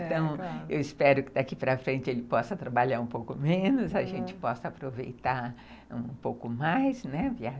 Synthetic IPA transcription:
t̪ɐ̃w̃ewɪspɛɾʊkɪd̪akipɾɐfɾẽnt͡ʃɪelɪpɔsɐt̪ɾabaʎaɾũpowkʊmẽnʊzɐʒẽnt͡ʃɪ̥pɔsɐapɾovejt̪aɾ | ṵ̃powkʊmajznɛvia

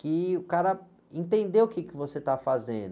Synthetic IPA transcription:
kɪʊkaɾɐ | ẽnt̪ẽnd̪ewʊkɪkɪvoset̪afazḛ̃nd̪ʊ

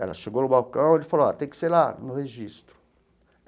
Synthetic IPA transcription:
ɛ̰lɐ̰ʃeɡonʊbawkɐ̃w̃elɪfaloa̰t̪ẽj̃kɪ̥seɾlanʊheʒist̪ɾʊ̥

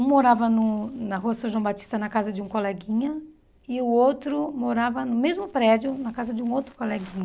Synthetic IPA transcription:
ũmoɾavɐnʊnɐɦoɐsɐ̃ʒwɐ̃w̃bat͡ʃi̥st̪ɐnɐkazɐd͡ʒɪũkolɛɡĩɲɐ | ɪʊowt̪ɾʊmoɾavɐnʊmezmʊpɾɛd͡ʒʊnɐkazɐd͡ʒɪũowt̪ɾʊkolɛɡĩɲɐ

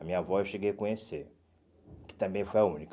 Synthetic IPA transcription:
amĩɲɐvɔewʃeɡejkõɲese | kɪ̥t̪ɐ̃mbẽj̃fojaũnik

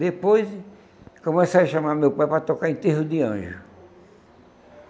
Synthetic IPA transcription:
d̪epojz | kõmesejɐʃamaɾmewpajpɾɐt̪okaɾẽt̪eɦʊd̪ɪɐ̰̃ʒʊ

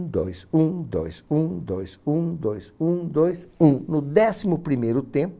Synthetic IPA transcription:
d̪ojsũd̪ojsũd̪ojsũd̪ojzũd̪ojsũnʊd̪ɛsimʊpɾimejɾʊt̪ẽp

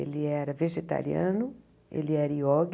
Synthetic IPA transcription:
ḛlɪɛɾɐveʒet̪a̰ɾiɐ̃nʊ | ḛlɪɛɾɐiɔɡ

